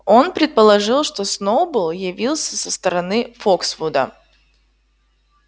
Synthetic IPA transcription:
o̞npɾʲɪt̪̚pəlˠɐʐɨlˠʂt̪osnobɨlˠjɪvʲilˠsʲəsəst̪əɾɐnɨfoksfud̪ə̰

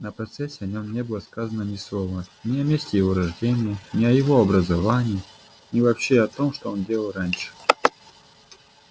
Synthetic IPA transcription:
nəpɾɐt̪sɛsʲːɪɐnʲo̞mnʲe̞bɨlˠəskazənənʲɪslˠovənʲɪɐmʲesʲtʲɪjɪvo̞ɾɐʐdʲenʲɪjənʲɪɐjɪvo̞ɐbɾəzɐvanʲɪjː | nʲɪvɐpɕeɐt̪o̞mʂt̪oondʲelˠəlˠranʲʂɨ̥

